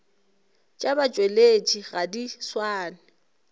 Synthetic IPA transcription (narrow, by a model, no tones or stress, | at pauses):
t͡ʃʼabat͡ʃʼwelet͡ʃʼiɣadiswaːnɪ